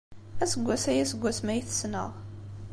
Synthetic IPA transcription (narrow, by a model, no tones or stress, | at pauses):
æsəɡʷːæsæjæsəɡʷːæsmæjiθə̥snə̰ʁ